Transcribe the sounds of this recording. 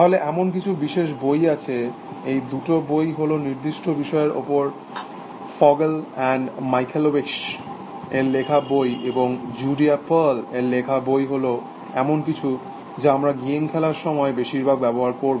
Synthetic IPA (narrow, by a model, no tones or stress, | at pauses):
t̪aɦoleʔɛmonk̬it͡ɕʰubiʃeʃ̬bojat͡ɕʰe | ejd̪uʈobojɦoloniɾd̪iʃʈobiʃɔeɾo̰poɾ | fɔɡelɛnmajkʰelobiks | elekʰabojeboŋd͡ʑuɖiapəleɾlekʰabojɦolo | ɛmonkit͡ɕʰu | d͡ʑeamɾaɡinkʰɛlaɾʃɔmɔebeʃiɾbʱaɡ̚bɛboɦaɾkoɾb